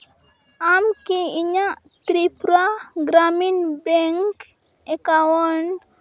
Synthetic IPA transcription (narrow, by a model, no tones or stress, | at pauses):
amkiiɲa | t̪ɾipɾaɡɾaminbeŋk | ekawɔn